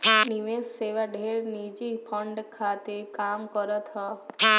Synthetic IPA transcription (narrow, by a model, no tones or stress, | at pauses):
niʋesseʋaɖʱeɾnid͡ʒipʰɔɳɖkʰat̪ekamkɔɾət̪ɦɔ